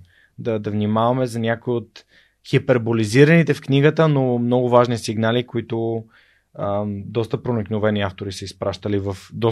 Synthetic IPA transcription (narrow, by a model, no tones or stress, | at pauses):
d̪ɐd̪ɐvnimavɐmɛzɐnʲjakoiot̪ | xipɛɾboliziɾɐnit̪ɛfknʲiɡət̪ənomnɔɡʊvaʒnisiɡnalikoit̪ʊ | d̪ɔst̪əpɾoniknovɛniaft̪oɾisəispɾaʃt̪əlivɐfd̪ɔ